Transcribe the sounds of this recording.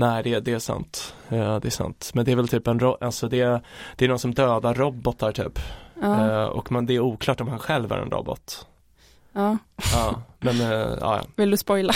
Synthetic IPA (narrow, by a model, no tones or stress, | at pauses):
næɪd̪ɛd̪ɛːʂa̰nt̪d̪ɛːʂa̰nt̪mɛnd̪ɛæɾvɛlt̪ʰyːpɛnɾɔʔalsɔd̪ɛd̪̥ɛːɾnɔsɔmd̪øːd̪aɾːɔbːɔt̪ʰːaɾʈʰy̰ːpː | ɔ̰kːmɛnd̪ɛːɾuːkʰlɑːʈɔmhanɧɛlvæ̰ɾɛ̰nɾɔ̰bɔ̰t̪ | ɑːɑːmɛnɑ̰ːjɑ̰ːvɪld̪ɵspɔjla